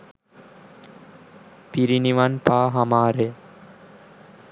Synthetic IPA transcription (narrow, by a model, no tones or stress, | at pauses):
piɾiniʋanpaːɦamaːɾe